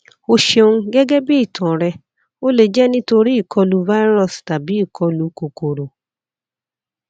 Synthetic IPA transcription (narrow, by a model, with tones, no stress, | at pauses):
o˧ʃe˧nũ˦ɡɛ˦ɡɛ˦bi˦i˦˨tʰɔ̃˨ɾɛ˧ | o˦le˨d͡ʒɛ˦nĩ˦to˧ɾi˦i˦˨kʰɔ˧lu˧va˦i˦ɾɔ˦˨sta˨bi˨˦i˦˨kʰɔ˧lu˧ko˨ko˨ɾo˨